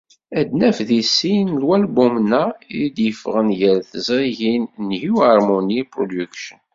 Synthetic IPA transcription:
æd̪næfðisinlwælbumnːæid̪jəfʁənjəɾθəzˤɾiʝinnhiwhɑɾˤmunipɾod̪ukʃən

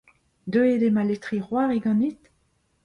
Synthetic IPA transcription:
d̪øed̪emalet̪χiʁwaːʁeɡɑ̃nit̪

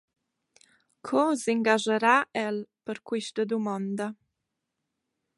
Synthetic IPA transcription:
kʰɔsiŋɡaʒəɾaʔɛlpəɾkwiʃtəd̪umɔnd̪ə

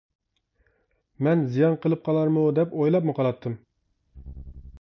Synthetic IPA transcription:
mɛnzijɑnqʰəlˠɨp̚qʰɑlˠɑɾmud̪ɛpojlˠɑp̚muqʰɑlˠɑt̪ʰːɨm

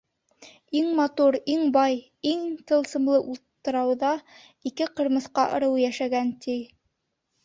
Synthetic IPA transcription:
iŋmɑt̪uɾiŋbɑj | iŋt̪ɤ̆lˠsɤ̆mlˠɤʔulˠt̪ːɤ̆ɾɑwðɑ | ikɘqɤ̆ɾmɤ̆θqɑʔɤ̰̆ɾɤ̆wjæʃæɡænt̪i

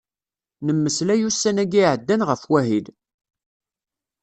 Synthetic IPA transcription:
nəmːəslæjusːænæɡiʕəd̪ːænʁəfwæɦid

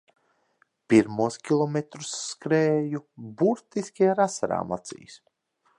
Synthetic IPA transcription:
piɾmuɔskʲilˠɔmet̪ɾu̥sːkɾɛːjubuɾt̪iskʲiaɾasaɾa̰ːma̰t̪sḭːs

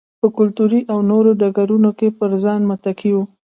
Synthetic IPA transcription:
pəkʊlt̪uɾiʔawnoɾoɖaɡaɾunokepəɾzɑnmat̪akʰiwu

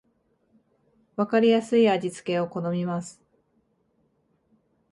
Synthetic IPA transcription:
βakaɾʲijasɨiad͡ʑit͡sɨ̥ke̞o̞ko̞no̞mʲimasɨ̥

